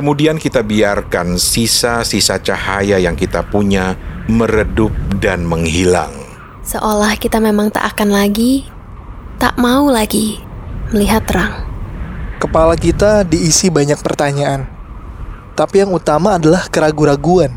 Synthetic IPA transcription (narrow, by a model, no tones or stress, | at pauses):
kəmudiankit̪abiarkansisasisat͡ʃahajajaŋkit̪apuɲaməɾədʊp̚danməŋɦila̰ŋ | səʔolahkit̪amemaŋt̪a̰ʔakanlaɡi | t̪a̰ʔmaulaɡiməliɦat̪ɾaŋ | kəpalakit̪adiːsibaɲak̚pərt̪aɲaʔan | t̪apijaŋut̪amaːdalahkəɾaɡuɾaɡuan